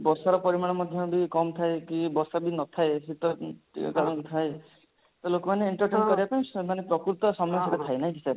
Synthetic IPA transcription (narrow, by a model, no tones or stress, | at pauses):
bɔsaɾɔpɔɾimaɽ̃ɔmɔd̪ʱjɔbikɔmɔt̪ʰaekibɔsabinɔt̪ʰaesit̪ɔʈḭkaɾɔŋkut̪ʰaj | t̪ɔlokɔmaneiɳʈɔɾʈenkɔɾibapaĩmanepɾɔkɾut̪ɔsɔmɔjɔ̃sɔtat̪ʰajnaɦj̃kisaɾ